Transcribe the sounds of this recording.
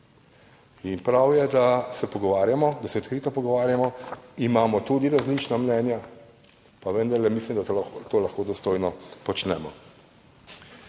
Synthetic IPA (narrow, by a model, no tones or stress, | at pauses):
inpɾawjɛd̪asɛpɔɡɔʋaːɾjamɔd̪asɛɔt̪kɾit̪ɔpɔɡɔʋaːɾjamɔimaːmɔt̪ud̪iɾazlit͡ʃnamnɛːnja | paʋənd̪aɾlɛmislimd̪at̪oːlaxkoːd̪ɔst̪ojnɔpɔt͡ʃnɛːmɔ